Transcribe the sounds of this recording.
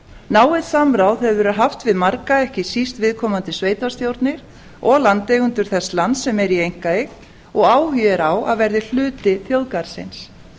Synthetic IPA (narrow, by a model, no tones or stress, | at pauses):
naːwɪðsamɾawðhɛðʏɾʏɦaft̪vɪðmaɾkaɛhcɪsist̪vɪðkʰɔːmant̪ɪsveːjt̪ast̪jowɾt̪nɪɾ̥ | ɔɣlant̪ejɣʏnt̪ʏɾ̥θɛsːlant̪sɛmɛɾiejŋ̥kaɪ | ɔɣaːwɦʏɛɾawaðvɛɾðɪl̥ʏːt̪ɪθjowðkaɾ̥sɪ̰ns